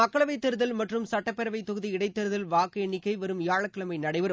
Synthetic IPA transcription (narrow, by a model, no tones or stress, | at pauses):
ɐkːɐɭɐʋɐɪt̪ːɛɾɯðɐlmɐʈrɯmsɐʈːɐpːɛɾɐʋɐɪt̪ɔɣɯðiɪɽɐɪt̪ːɛɾɯðɐlʋaːkɐɛɳːɪkːɐɪʋɐɾɯmɪjaːɻɐkːɐɭɐmɐɪnɐɽɐɪʋɐɾɯ